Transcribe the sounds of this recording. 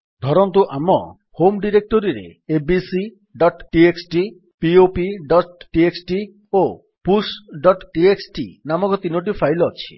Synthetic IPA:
d̪ʱɔɾɔnt̪̬uʔamɔ̰ | homɖiɾek̚ʈoɾiɾḛebisi | ɖɔʈʈieksʈi | piopiɖɔʈʈieksʈi | o | pusɖɔʈʈieksʈḭnamɔkɔt̪inoʈ̬ifʰajlɔat͡ʃʰi̥̰

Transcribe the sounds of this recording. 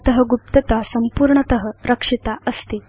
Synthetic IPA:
t̪əɦəɡup̚t̪ət̪asəmpuːɾɳət̪əɦəɾəkʂit̪aəst̪iː

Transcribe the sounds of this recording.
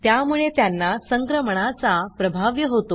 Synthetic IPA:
t̪jamuɭet̪janːasəŋkɾəməɳ̃at͡sapɾəbʱaʋjəɦot̪o

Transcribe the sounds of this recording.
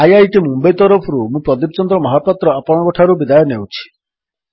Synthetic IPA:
ajajʈimumbejt̪ɔɾɔpʰɔɾumũpɾɔd̪ipt͡ʃɔnd̪ɾɔmɔɦapɔt̪ɾɔapɔɽ̃ɔ̃ɔkɔʈʰaɾubid̪ajɔnewt͡ʃʰi̥

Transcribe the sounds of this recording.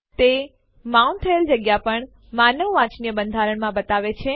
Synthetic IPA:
t̪e | maunt̪ʰəeld͡ʒəɡjapəɳ | manəʋʋãt͡ʃnijəbənd̪ʱaɾəɳmãbət̪aʋet͡ʃʰe

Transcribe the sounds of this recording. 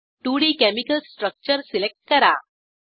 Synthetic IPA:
ʈuɽikɛmikəlsʈɾək̚t͡ɕəɾsilek̚ʈ̚kɐɾa̰

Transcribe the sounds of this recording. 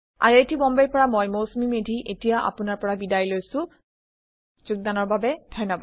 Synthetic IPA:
a̰ɹetibɔmbejpɔɹamɔjmowsmimedʱiʔetijaʔa̰pʊnaɹpɔɹabidajlojsʊ̃ | zuɡ̚danɔɹbabɛdʱɔjnɔbad

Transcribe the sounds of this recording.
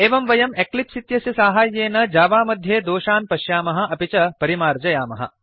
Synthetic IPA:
eːʋɐmʋɐjɐmeklit̪sit̪jɐsjisaːɦaːjːeːnɐd͡ʒaːʋaːmɐd̪ʱjeːd̪oːʃaːnpɐʃjaːmɐɦɐ̆ɐpit͡ʃɐpɐɾimaːɾd͡ʒɐjaːmɐɦɐ̰

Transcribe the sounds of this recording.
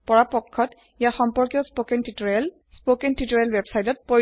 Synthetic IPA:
pɔɹapɔkʰːɔt | ijaxɔmpɔɹkiɔspokentitɹl | spokentitɔɹalwebsajtɔt̚po

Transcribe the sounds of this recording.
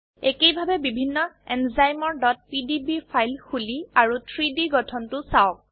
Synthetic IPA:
ekejbʱabɛbibʱinːɔɛnzajmɔɹdɔt̚pidibipʰajlxuliaɹutʰɹidiɡɔtʰɔntʊsaʊk̚

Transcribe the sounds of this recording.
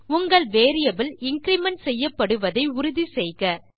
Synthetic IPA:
ʊŋɡɐɭʋeːɾɪjɐbɪlɪŋkɾɪmɐɳʈsɛjːɐpːɐɽɯʋɐðɐɪʊɾʊðisɛjɣɐ

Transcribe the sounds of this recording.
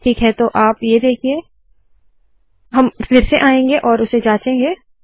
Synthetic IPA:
ʈʰiːkɦɛt̪oʔaːpjed̪eːkʰieː | ɦɐmfɪɾseʔaːẽːŋɡeʔɔːɾʊsed͡ʒaːt͡ʃẽːŋɡeː

